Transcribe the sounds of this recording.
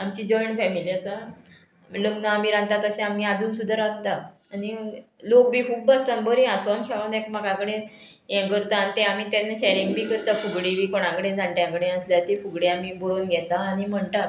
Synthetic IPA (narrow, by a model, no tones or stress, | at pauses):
amt͡ɕiːd͡ʑɔjɳfɛmiliasa | ləɡnaamiːɾãɡt̪at̪əɕɛ̃amĩad͡zʱuːnsud̪ʱəɾãɡt̪a | anilok̚bʱiːkʰuːbəst̪ãnbəɾĩasɔnkʰɛɭãnekmakãkɽẽ | jɛ̃kəɾt̪aːnit̪ẽamiːt̪ɛnːaɕeɾiŋɡbʱiːkəɾt̪afuɡɽibʱiːkoɽ̃ãkəɽẽd͡zãɳʈjãkɽẽəsljat̪efuɡɽjamiːboɾoːnɡʱɛt̪aːnim̤əɳt̪a